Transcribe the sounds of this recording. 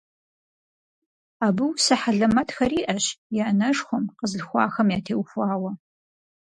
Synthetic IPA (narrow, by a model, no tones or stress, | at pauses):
aːbɨwsɐħaɮɐmɐtxɐriːʔɐɕjɛnɐʂxʷʊmqəzɮxʷɑ̰ːxɐmjaːtʰeːwxʷaːwɐ